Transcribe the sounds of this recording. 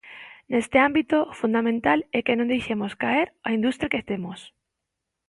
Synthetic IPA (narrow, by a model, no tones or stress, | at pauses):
nest̪ɪambit̪ofund̪amẽnt̪alɛkenõnd̪ejʃemoskaeɾaind̪ust̪ɾjakest̪emos